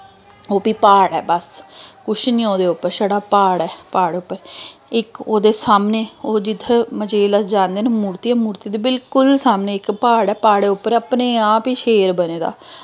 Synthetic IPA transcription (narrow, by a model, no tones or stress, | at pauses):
oːpiːpaːɽɛ̰ːbəskʊʃʰnĩːoːd̪eːʊpːəɾʃəɽaːpaːɽɛːpaːɽeʊpːəɾɪkoːd̪eːsaːmneːoːd͡ʒɪt̪ʰːeməd͡ʒeːləsd͡ʒãːnd̪eːneːmuːɾt̪iːɛːmuːɾt̪iːd̪iːbɪlkʊlsaːmneːɪkpaːɽɛːpaːɽeːʊpːəɾəpneːaːpiːʃeːɾbəneːd̪a̰ː